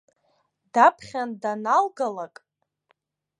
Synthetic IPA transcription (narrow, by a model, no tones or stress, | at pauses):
dapʰχʲandanalɡalakʼ